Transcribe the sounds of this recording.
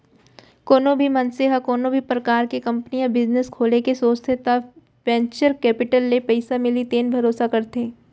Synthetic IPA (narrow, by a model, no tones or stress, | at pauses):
koːnõbʱimɐnseɦakoːnõbʱipɾɐkaːɾkekɐ̃mpnijãbɪzneskʰoːlekesoːst̪ʰet̪a | ʋɛ̃ːɲt͡ʃəɾkɛːpɪʈəlːepɐɪsamɪlit̪eːnbʱɐɾoːsakɐɾt̪ẽː